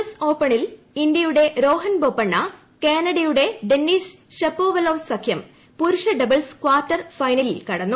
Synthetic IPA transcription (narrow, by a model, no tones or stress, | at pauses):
ɐso̞ːpːɐɳil | indjɐjuɽe̞ɾo̞ːɦɐnboːpːɐɳːɐ | keːnɐɽijuɽe̞ɖenːiːsɕepːo̞ːʋɐloːʋsɐkʰjɐm | puɾuʂɐɖɐbɐlskwaːrtːɐrfɐjnɐlilkɐɽɐnːu